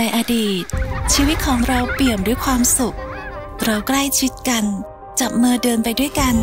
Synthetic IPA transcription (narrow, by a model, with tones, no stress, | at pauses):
na˧jʔa˧diː˨˩t̪̚t͡ɕʰiː˧wi˦˥t̪̚kʰɔː˩˦ŋɾa˧wpi˨˩əmdu˥˩jkʰwaː˧msu˨˩k̚ | ɾa˧wkla˥˩jt͡ɕʰi˦˥t̪̚ka˧n | t͡ɕa˨˩p̚mɤː˧dɤː˧npa˧jdu˥˩əjka˧n